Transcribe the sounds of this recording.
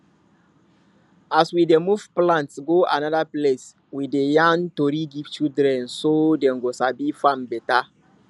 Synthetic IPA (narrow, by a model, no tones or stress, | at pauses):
aswidemuvplãntsɡoa̰nadaples | widejãntoɾiɡivt͡ʃidɾɛ̃nsodɛ̃nɡosabifãmbɛta